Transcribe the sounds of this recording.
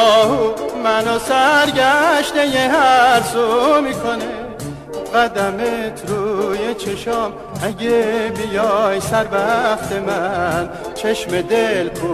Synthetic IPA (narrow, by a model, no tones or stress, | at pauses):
ɒhumænosæɾɟæʃt̪ejeɦæɾsomikʰone | ɢæd̪æmet̪ʰɾujet͡ʃʰeʃɔm | ʔæɟebijɒːjsæɾbæft̪ʰemæn | t͡ʃʰeʃmed̪elbu